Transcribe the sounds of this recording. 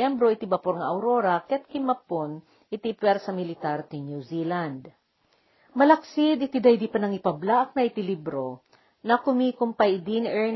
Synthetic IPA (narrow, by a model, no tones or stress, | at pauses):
ɛmbɾo̞ʔɪt̪ɪbɐpoɾŋɐʔɐwɾoɾɐkɛt̪̚kɪmɐpon | ʔɪt̪ipɛɾsɐmɪlɪt̪aɾt̪ɪnjuziland̪ | mɐlɐksɪd̪ɪt̪id̪ajd̪ipɐnɐŋɪpɐblaʔɐk̚nɐʔɪt̪ɪlibɾo | nɐkʊmiːkʊmpɐjd̪inʔɛɹ